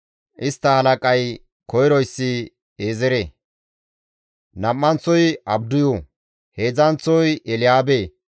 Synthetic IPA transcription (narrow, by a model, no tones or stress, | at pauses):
ʔɪst̪ːɐhɐlɐkʼɐj | kɔjɾɔjsːɪ | eːzɛɾe | nɐmːɐnt͡sːɔjɐbd̪ʊjo | heːzɐnt͡sːɔjɛlɪjaːbeː